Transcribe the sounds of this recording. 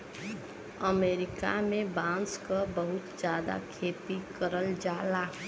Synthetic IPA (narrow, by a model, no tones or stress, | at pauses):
əmeɾɪka̰mẽbãnskəbəɦʊt̪d͡ʒjaːd̪a̰kʰeːpikəɾəld͡ʒaːla